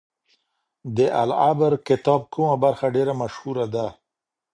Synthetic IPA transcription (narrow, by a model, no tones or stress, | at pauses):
d̪əʔalabəɾkɪt̪ɑb̚kumabaɾxaɖeɾamaʃhuɾad̪a